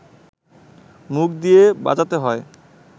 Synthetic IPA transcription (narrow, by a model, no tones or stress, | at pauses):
muk̚d̪ijeba̰d͡ʑat̪eɦɔe